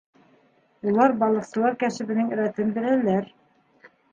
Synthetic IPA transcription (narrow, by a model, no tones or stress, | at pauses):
ulˠɑɾbɑlˠɤ̆qsɤ̆lˠɑɾkæʃɘ̆βɘ̆nɘŋɘ̆ɾæt̪ɘmbɘ̆lælæɾ